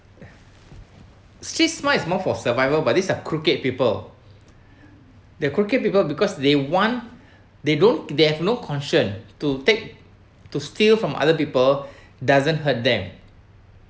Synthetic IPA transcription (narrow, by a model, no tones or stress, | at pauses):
stɹit̚smaismɔfɔsəvajvəbat̚disəkʰɹuket̚pipəl | dəkɹuket̚pipəlbikɔsdewɔ̃n | dedõndehɛvnokʰɔ̃nʃə̃ntutek̚ | tustilfɹɔ̃mʔa̰dəp̬ipəl | dazə̃nɦət̚d̪ɛ̃m